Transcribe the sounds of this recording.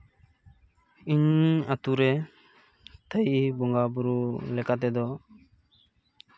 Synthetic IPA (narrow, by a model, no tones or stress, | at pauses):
iɲat̪uɾɛ | t̪ʰəjibɔŋɡabuɾulɛkat̪̬ɛd̪ɔ